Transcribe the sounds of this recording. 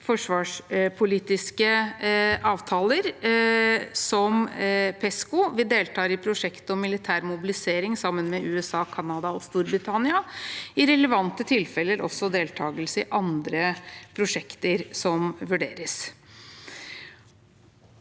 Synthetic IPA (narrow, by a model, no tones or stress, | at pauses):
fɔʂʋɑːʂpʰʊliːt̪ɪskə | ʔɑːʋt̪ʰɑːləɾ | sɔmpʰɛskʊʋɪd̪eːlt̪ʰɑːɾɪpʰɾʊʂɛkt̪ɔmːɪlɪt̪ʰæːɾmʊbɪlɪseːɾɪŋsɑmːənmɛʔʉːɛsɑːkʰɑnɑd̪ɑɔst̪uːɾbɾɪt̪ʰɑnɪɑɪɾɛləʋɑnt̪ət̪ʰɪlfɛlːəɾɔ̰sːɔd̪eːlt̪ʰɑːɡəlsəɪʔɑnd̪ɾəpʰɾʊʂɛkt̪əɾsɔmʋʉɖeːɾəs